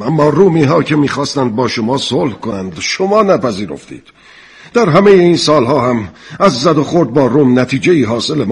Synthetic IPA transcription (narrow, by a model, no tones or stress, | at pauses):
æmːɒːruːmiːɦɒːcʰemiːxɒːst̪ænd̪̚bɒːʃomɒːsoːlhkonænd̪ʃomɒːnæpæziːɾo̰ft̪ḭːd̪̥ | d̪̥æɾɦæmejeiːnsɒːlɦɒːhæmæzːæd̪oxoɾd̪̚bɒːɾuːmnæt̪ʰiːd͡ʒe̞iːɦɒːse̞lem